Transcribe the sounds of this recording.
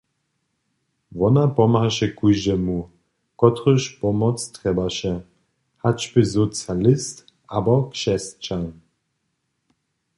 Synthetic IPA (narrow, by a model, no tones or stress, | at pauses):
vɔnapɔmhaʃɛkuʒɛmu | kɔt̪ɾəʃpɔmɔt͡st̪ʁɛbaʃɛ | hat͡ʃpɪzɔt͡sjalɪst̪ | abɔkʃɛst͡ʃan